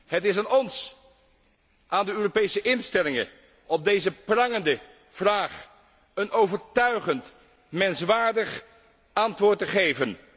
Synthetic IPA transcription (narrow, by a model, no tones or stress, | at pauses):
ɦətɪsaːnɔns | ʔaːndəøːropejsəʔɪnstɛlɪŋə | ɔb̚dejzəprɑŋəndə | v̥raːχ | ənowvəɹtœɥχənt | mɛnsʋaːɹdəχ | ɑntʋʊːɹtəχejvən